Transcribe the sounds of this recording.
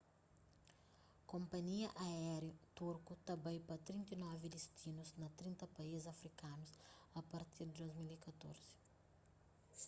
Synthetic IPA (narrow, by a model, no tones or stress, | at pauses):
kɔmpɐnʲɪjɛʔɐɛːɾʲit̪uɾkut̪ɐbɐɪpɐt̪ʲɾʲinʲt̪ʲinoɐʋʲɪlʲɪsʲt̪ʲiːnʊsnɐt̪ʲɾʲɪnt̪ɐpɐezɐfʲɾʲɪkɑːnʊsɐpɐɾt̪ʲiɾd̪ɾʲosmʲɪlʲɪkɐt̪uɾʲs